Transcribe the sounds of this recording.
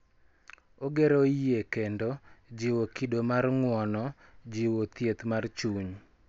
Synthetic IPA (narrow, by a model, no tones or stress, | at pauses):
oɡeɾoiekendod͡ʒiwokidomarŋwɔnɔ | d͡ʒiwot̪jet̪mart͡ʃuɲ